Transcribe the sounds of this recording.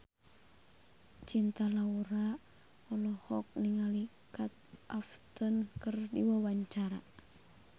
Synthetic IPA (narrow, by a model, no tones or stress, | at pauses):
t͡ʃint̪alauɾa | ɔlɔhɔk̚niŋali | kat̪̚ʔaft̪ənkərdiwawaɲt͡ʃaɾa̰